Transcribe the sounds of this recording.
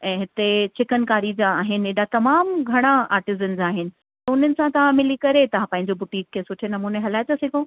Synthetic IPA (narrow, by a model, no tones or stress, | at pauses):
ɛ̃ːɦɪt̪et͡ɕʰɪkənkaːɾid͡ʑaaːɦɪnɪ̆eɗat̪ɐmaːmɡʱɐɽ̃aa̰ːɾʈɪzənzaːɦɪnɪ̆ | t̪ɐʊn̤ənɪ̆sãt̪ɐʋ̤ãmɪlikɐɾet̪ɐʋ̤ãpɐ̃ɦɪ̃ɲd͡ʑobʊʈiːkʰːeːsʊʈʰenɐmuːneɦɐlaːɪt͡ɕasɪkʰõː